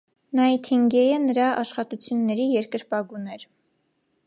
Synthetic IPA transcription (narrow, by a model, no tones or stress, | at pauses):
nɑit̪ʰiŋɡɛjənəɾɑʔɑʃχɑt̪ut͡sʰjunːɛɾijɛɾkəɾpɑɡunɛɾ